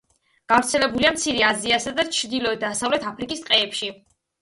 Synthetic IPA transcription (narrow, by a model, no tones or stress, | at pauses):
ɡ̥avɾt̪sʰɛlɛbuliamt̪sʰiɾɛaziasad̪at͡ʃʰɾd̪ilɔɛd̪asavlɛt̪ʰapʰɾikʼist̪ʼqʼɛːpʃi